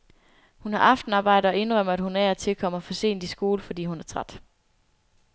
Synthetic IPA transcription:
hunhɑ̈ʔɑ̈fd̥n̩ɑ̈ːb̥ɑ̈ɪ̰d̥ɐɒ̽e̝nʁœm̰ɐæd̥hunæɐt͡sʰe̝lkʰɒ̽m̰ɐɒfɒ̽se̝̰ːnd̥isɡ̥o̝ːləfɒ̽d̥ḭːhunæɐt͡sʰʁad̥

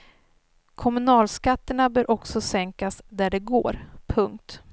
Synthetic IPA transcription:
kʰɔmɵnɑːlskat̪ːəɳabœːɾʔɔksɔsɛŋkasd̪æɖɛɡo̰ːɾpʰɵŋk̚t̪

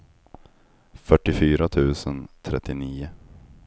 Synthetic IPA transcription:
fœʈːɪfyːɾat̪ʰʉ̟ːsənt̪ʰɾɛt̪ːɪniːʊ

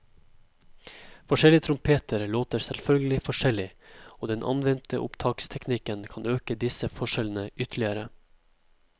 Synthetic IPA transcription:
fɔʃɛlɪət̪ʰɾʊmpʰeːt̪əɾloːt̪əɾsɛlfœlɡəlɪfɔʂɛlɪoːd̪ɛnʔɑ̰nʋɛnt̪əʔʊ̰pt̪ʰɑːkst̪ʰɛknɪkənkʰɑnøːkəd̪ɪsəfɔʂɛln̩əʔʏt̪ʰlɪəɾə

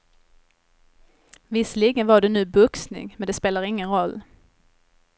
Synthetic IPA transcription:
vɪsliːɡənvaɖɛnʉ̟ːbɵksnɪ̰ŋmɛnd̪ɛspeːlaɾɪŋːənɾɔlː

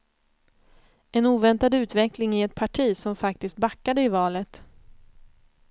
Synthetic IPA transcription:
ɛnuːvɛnt̪ad̪ʉ̟ːt̪vɛklɪŋɪɛt̪̚pʰaʈʰiːsɔmfak̚t̪ɪskt̪̚bakːad̪əɪvɑːlət̪

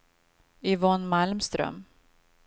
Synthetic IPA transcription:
ɪvɔːnmalmst̪ɾœ̰m

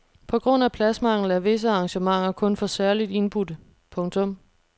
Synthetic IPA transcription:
pʰɒ̽ɡ̥ʁɔ̽n̰æpʰlæsmɑ̈ŋ̰l̩ˠæɐʋe̝s̬əɑ̈ŋɕəmɑ̈ŋ̰ɐkʰɔ̽nfɒ̽sæɐlid̥e̝nb̥ud̥ | pʰɔ̽ŋt͡sʰɔ̽m

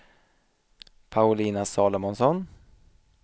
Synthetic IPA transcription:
pʰaʊliːnasɑːlɔmɔnsɔn

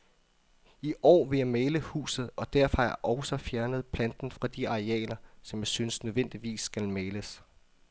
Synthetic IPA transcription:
iʔɒ̰ːʋe̝jɑ̈ɪmeːləhṵːsð̞̩ˠɒ̽d̥æɐ̰fɒæʔɒʊsɒ̽fjæɐnəð̞̩ˠpʰlænd̥n̩fʁɑ̈d̥iɑ̈ʁeɛ̰ːlɐsɒ̽mjɑ̈ɪsynəsnøðˠʋen̰d̥iʋḭːsːɡ̥ælmeːləs

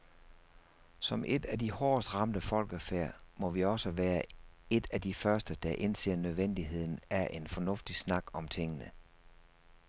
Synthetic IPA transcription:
sɒ̽mʔe̝d̥æd̥ihɒːsd̥ʁɑ̈md̥əfɒ̽l̰ɡ̥əfeɐ̰mɒ̽ʋiɒ̽səʋæːɐe̝d̥æd̥ifɶɐsd̥əd̥ɑ̈ʔe̝nse̝̰ːɐ̰nøð̞ˠʋen̰d̥iɦe̝ð̞̰ˠn̩æɐʔe̝nfɒ̽nɔ̽fd̥isnɑ̈ɡ̥ɒ̽mt͡sʰeŋənə

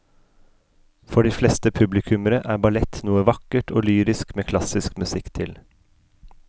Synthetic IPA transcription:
fɔɖiːflɛst̪əpʰʉblɪkʰʉməɾəʔæːɾbɑlɛt̪ʰnuːəʋɑkəʈʰoːlyːɾɪskmeːkʰlɑsɪskmʉsɪkt̪ʰɪl

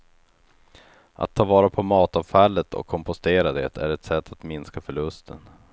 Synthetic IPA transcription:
ʔa̰t̪ʰːɑːvɑːɾapʰɔmɑːt̪ɑvfalːət̪ʰɔ̰kʰːɔmpʊst̪eːɾad̪ɛ̰t̪ʰæ̰ɾɛt̪sɛt̪ʰːat̪mɪnskafœɭɵst̪ʰə̰n

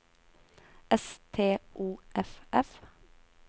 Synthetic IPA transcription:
ʔɛst̪ʰeːʔuːʔɛfɛf

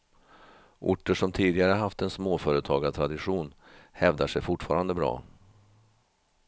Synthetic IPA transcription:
ʔʊ̰ʈːəʂɔmt̪ʰiːd̪ɪɡaɾəɦaft̪ɛnsmoːfœːɾət̪ʰɑːɡat̪ʰɾad̪ɪɧuːn | hɛvd̪aʂɛjfʊʈfɑ̰ːɾand̪əbɾɑ̰ː

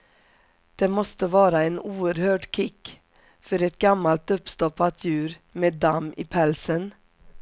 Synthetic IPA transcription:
d̪̥eːmɔst̪əʋɑːɾaeːnuːəɾhøːɖkʰɪk | fœɾɛt̪̚ɡɑmɑlt̪ʊpst̪ɔpɑt̪ʰjʉːɾmeːd̪ɑmiːpʰælsən

